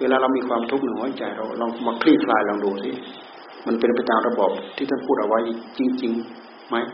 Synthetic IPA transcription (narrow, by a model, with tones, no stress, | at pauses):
weː˧laː˧ɾa˧wmiː˧kʰwaː˧mt̪ʰu˦˥k̚nɯ˨ŋhoː˧˥˩jt͡ɕa˨˩jɾa˧wlɔː˧˩ŋʰ˧maː˧kʰliː˧˥˩kʰlaː˧˩jlɔː˧˩ŋduː˨˩si˧˥˨ | ma˧˥˨npe˨npa˧jt̪aː˨˧˨mɾa˧bɔː˨˩p̚t̪ʰiː˧˩t̪ʰa˥˨npʰuː˥˩t̪̚ʔa˧wa˦˥jt͡ɕi˧ŋt͡ɕi˧ŋ | ma˦˥j